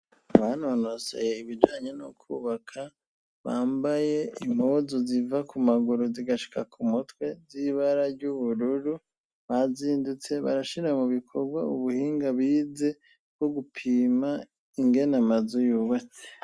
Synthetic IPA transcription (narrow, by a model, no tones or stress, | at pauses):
aβano̞no̞se̞̰je̞iβid͡ʒaːɲenukʰuːβakʰa | βaːmbaje̞imozozivakumaɡuɾuziɡaʃi̥kʰakumutwe̞ziβaɾaɾɟuβuɾuɾu | βaziːndut͡se̞βa̰ɾaʃiɾamuβikʰo̞ɡwa̰uβuhiːŋɡaβiːze̞ | bɡ̥o̞ɡupʰiːma | iŋɡe̞namazujuwet͡se̥